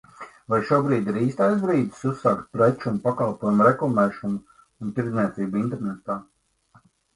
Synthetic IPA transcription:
vajʃuɔbɾiːd̪iɾiːst̪ajs̬bɾiːd̪̥susːaːkt̪̚pɾet͡ʃumpakalˠpoɔjumuɾɛklˠamɛːʃɔnu | unt̪iɾd̪zniɛt̪siːbuint̪ɛɾnɛt̪aː

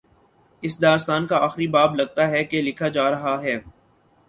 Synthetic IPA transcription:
ɪsd̪aːst̪aːnkaaːxɾibaːblɐɡ̚t̪aɦɛkelɪkʰad͡ʒaːɾɐɦaɦɛː

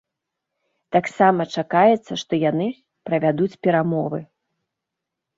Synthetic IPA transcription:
t̪aksamɐt͡ʂakajɛt̪sːɐʂt̪ɔjanɨ | pɾɐvʲad̪ut͡sʲpʲɛɾamɔvɨ

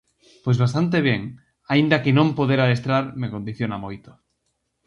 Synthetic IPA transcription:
pojzβas̬t̪ant̪̬eβ̞jeŋ | aind̪akenõmpoðeɾaest̪ɾaɾmekond̪iθjonamojt̪o̥

